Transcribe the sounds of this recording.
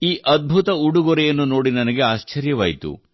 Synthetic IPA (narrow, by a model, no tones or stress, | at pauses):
iːʔɐd̪̚bʱut̪ɐuɽuɡɔɾɛjɐnːuno̞ːɽinɐnɐɡe̞aːʃt͡ʃɐɾjɐʋa̰ːjit̪ṵ